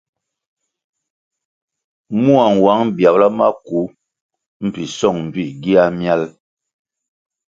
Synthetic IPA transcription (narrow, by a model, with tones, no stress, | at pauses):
mu˦a˨ŋ˨wa˨˦ŋbja˨bla˦ma̰˦ku˨˦ | m̩˨pi˨sɔ˦˨ŋm̩˨bi˦˨ɡi˦a˦mja˦l